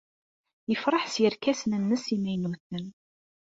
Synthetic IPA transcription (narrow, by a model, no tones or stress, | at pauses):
jəfɾˤɑħsjəɾkæsnənːəsimæjnuθən